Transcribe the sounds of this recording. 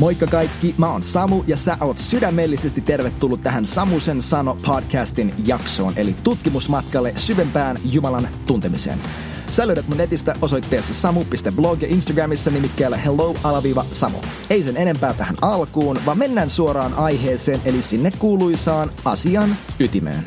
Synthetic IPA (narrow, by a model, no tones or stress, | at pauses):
mo̞jkːɑkɑjkːimæonsɑmujɑsæʔo̞ːt̪sydæmːelːise̞st̪it̪ːe̞rʋet̪ːulːut̪t̪ːæɦænsɑmusensɑno̞pʰodkʰæːst̪injɑkso̞̰ːnʔe̞̰lit̪ut̪kimusmɑt̪kɑlːesyʋempæːnjumɑlɑnt̪unt̪e̞misḛːn | sæløɥɾæt̪munet̪ist̪æʔoso̞jt̪ːeːsːɑsɑmupist̪ebloɡjɑʔinst̪ɑɡræmisːɑnimikːæːlːehelowɑlɑʋiːʋɑsɑmo̰ | e̞jsene̞ne̞mpæːt̪æhæ̰nɑlkuːnʋɑmme̞nːæːnsuoɾɑːnʔɑjɦeːse̞ːnʔe̞lisinːekkuːluisɑːnɑ̰siɑnyt̪imḛːn